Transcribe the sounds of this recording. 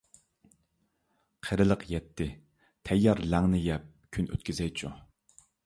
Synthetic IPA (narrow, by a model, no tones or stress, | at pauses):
qʰəɾɨlˠəqjɛt̪ʰːɪ | t̪ʰɛjːɑɾlæŋnɪjɛp̚kʲʰynʔø̰t̪kʲyzɛjt͡ʃʰu